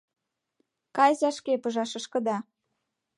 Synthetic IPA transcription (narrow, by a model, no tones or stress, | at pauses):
kɑjzɑʃkepɤ̆ʒɑʃɤ̆ʃkɤ̆d̪ɑ